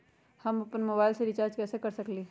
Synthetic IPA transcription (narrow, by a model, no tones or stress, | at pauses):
hɐmɐpənmoːbaːɪlseɾɪt͡ʃaːɾd͡ʒkɛːsekɐɾsɐkliː